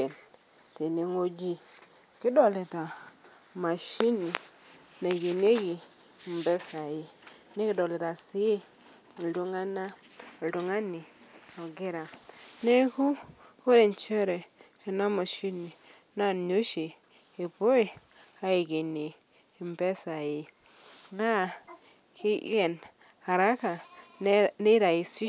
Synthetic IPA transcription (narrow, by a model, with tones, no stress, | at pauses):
e˨n | te˨ni˦ŋo˦d͡ʒi˦ | ki˦do˨le˨ta˨ | ma˨ʃi˦ni˨na˨ke˨n˦e˦ki˨ | m̩˨be˦sa˨ji˦ne˦ki˦do˨le˨ta˨si˦˨ | ldu˦ŋa˦na˦˨du˨ŋa˦ni˨o˨ɡi˦ɾa˨ne˦ku˦ | o˦ɾe˨nt͡ʃe˦ɾe˨ | i˨na˦mo˨ʃi˦ni˨ | na˦˨no˦ʃe˨ | i˨bo˦i˨ | a˦ji˨ɡi˨ni˨ | mbe˦sa˨ji˦ | na˦˨ | ki˦je˨n | ha˨ɾa˦ka˨ | ne˦ɾa˨ji˨si˦